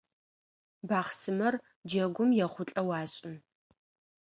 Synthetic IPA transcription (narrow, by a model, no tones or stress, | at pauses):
baːχsɨmɐr | d͡ʒɐɡʷʊmjɛχʷʊɬʼɐwɑːɕʼɪn